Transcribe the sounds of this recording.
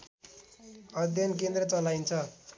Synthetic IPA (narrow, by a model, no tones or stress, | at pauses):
ʌd̪ʱjʌnk̬end̪rʌt͡sʌlajnt͡sʰʌ